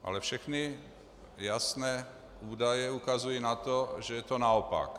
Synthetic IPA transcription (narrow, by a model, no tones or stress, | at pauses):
ʔa̰lɛfʃɛxni | jasnɛː | uːdajɛukazujinat̪oʒɛjɛt̪onaopa̰k